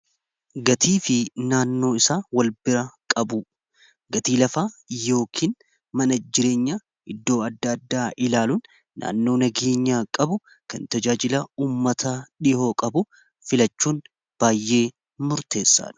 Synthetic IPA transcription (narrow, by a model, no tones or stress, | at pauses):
ɡɐt̪ʰiːfɪnaːnːo̞ːɪsaːwɐlbɪɾɐkʼɐbʊ | ɡɐt̪iːlɐfaːjo̞ːkʰiːn | mɐnɐd͡ʒɪɾe̞ːɲːa | ɪd̪ːo̞ːɐd̪ːɐːd̪ːaːʔɪlaːlunː | ʔa̰ːnːo̞ːnɐɡe̞ːɲːaːkʼɐbʊ | kʰɐnt̪ɐd͡ʒaːd͡ʒɪlɐuːmːɐt̪ʰɐᶑɪho̞ːkʼɐbʊ | fɪlɐt͡ʃːuːn | b̥aːjːe̞ː | mʊɾt̪e̞ːsːa̰ːᶑɐ̥